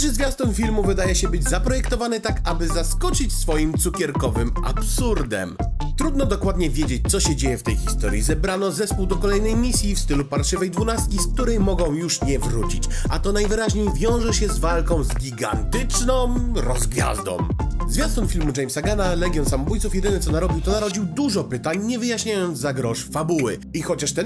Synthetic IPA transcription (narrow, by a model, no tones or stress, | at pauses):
ʐɛzvʲjast̪ɔnfʲilmuvɘd̪ajɛɕɛbɘd͡ʑzapɾɔjɛkt̪ɔvanɘt̪akabɘzaskɔt͡ɕit͡ɕsfɔjimt̪sukʲɛɾkɔvɘmʔa̰psuɾd̪ɛ̰mt̪ɾud̪nɔd̪ɔkwad̪ɲɛvʲjɛd͡ʑet͡ɕ̚ʲt̪sɔɕɛd͡ʑejɛft̪ɛjxʲist̪ɔɾʲjḭzɛbɾanɔzɛspuwd̪ɔkɔlɛjnɛjmʲisʲjifst̪ɘlupaɾʂɘvɛjd̪vunast̪̚kʲisk̚t̪uɾɛjmɔɡɔ̃w̃juʂɲɛvɾut͡ɕḭt͡ɕat̪ɔnajvɘɾaʑɲejvʲjɔ̃w̃ʐɛɕɛzvalkɔ̃w̃zɡʲiɡa̰nt̪ɘt͡ʂnɔ̃ɾɔzɡvʲja̰zd̪ɔ̰̃wzvʲjast̪ɔmfʲilmud͡ʐɛjmsaɡanalɛɡʲjɔnsamɔbujt̪sufjɛd̪ɘnɛtsɔnaɾɔbʲiwt̪ɔnaɾɔd͡ʑiwd̪uʐɔpɘt̪aɲɲɛvɘjaɕɲajɔnd̪zzaɡɾɔʂfabuwɘ̰ixɔt͡ɕaʂt̪ɛn